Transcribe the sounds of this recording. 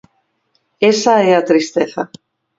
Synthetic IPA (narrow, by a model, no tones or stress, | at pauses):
esaɛat̪ɾist̪eθa